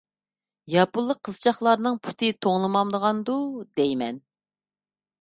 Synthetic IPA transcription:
jɑpulˠːəqʰːəzɨt͡ʃʰɑχlˠɑɾnɨŋpʰu̥t̪ʰɨt̪ʰoŋlˠɨmɑmd̪əʁɑnd̪ud̪ɛjmɛn

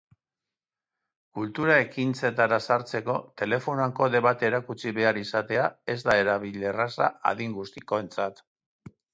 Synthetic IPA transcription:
kult̪uɾae̞kint͡se̞t̪aɾasaɾt͡se̞ko̞t̪e̞le̞fo̞naŋko̞ðe̞βat̪e̞ːɾakut͡siβe̞aɾisat̪e̞ae̞zd̪ae̞ɾaβile̞rasaa̰ðiŋɡust̪iko̞e̞nt͡sat̪

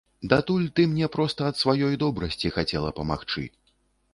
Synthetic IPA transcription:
d̪at̪ulʲt̪ɨmnʲɛpɾɔst̪ɐɐt̪svajɔjd̪ɔbɾɐsʲt͡sʲixat͡sʲɛlˠɐpɐma̰xt͡ʂɨ̰

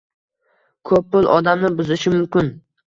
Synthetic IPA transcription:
kʰɵpːʊlˠʔɒd̪amnɪbʊzɪʃɪmʊmkʲɪn

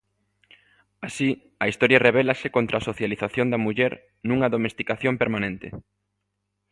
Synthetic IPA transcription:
asi | ɐist̪ɔɾjɐreβ̞ɛlɐsɪkont̪ɾaːsoθjaliθaθjond̪ɐmuʎɛɾ | nũŋɐðomest̪ikaθjompeɾmanẽnt̪ɪ̰

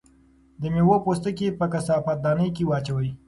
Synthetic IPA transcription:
d̪əmewopost̪əkepəkasɑfat̪̚d̪ɑnəjkewɑt͡ʃawəi

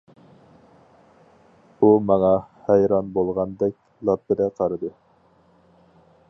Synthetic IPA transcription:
umɑŋɑhɛjɾɑnbolˠʁɑnd̪ɛk̚ʲ | lˠɑpːɪd̪ɛqʰɑɾɑd̪ɨ

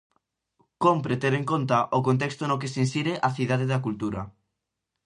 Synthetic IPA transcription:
kompɾet̪eɾẽŋkont̪aʔokõnt̪̬ekst̪onokesinsiɾeʔaθiðaðeðakult̪uɾa

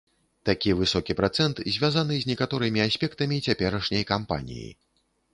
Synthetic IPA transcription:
t̪akʲivɨsɔkʲipɾat̪sɛnt̪zʲvʲazanɨzʲnʲɛkat̪ɔɾɨmʲiasʲpʲɛkt̪ɐmʲit͡sʲapʲɛɾɐʂnʲɐjkampa̰nʲḭjḭ

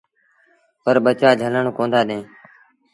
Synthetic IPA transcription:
pəɾɓət͡ʃaːd͡ʒʱələɳːkõːnd̪aːɗẽː

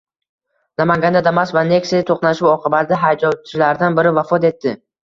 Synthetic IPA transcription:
namaŋɡʲand̪ad̪amasvane̞ksit̪ʰoqnaʃuwɒqʰɨbad̪aɦajd͡ʒɒwt͡ʃʰɪlaɾɪd̪anbɪɾɪvafɒt̪e̞t̪ʰːɪ

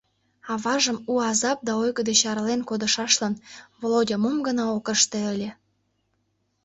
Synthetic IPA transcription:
ɑβɑʒəmuɑzɑp̚d̪ɑojɡəd̪eɕɑɾlenkod̪ə̆ʃɑʃlɑnvolodʲɑmomɡənɑokəʃt̪eəlʲĕ

